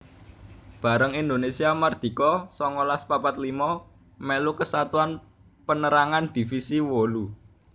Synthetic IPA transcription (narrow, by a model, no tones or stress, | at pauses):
b̥ä̤ɾəŋind̪onesiamard̪̥i̤kɔsɔŋɔlaspapat̪limɔ | mɛlukəsat̪uan | pənəɾaŋand̪̥i̤fisiwolu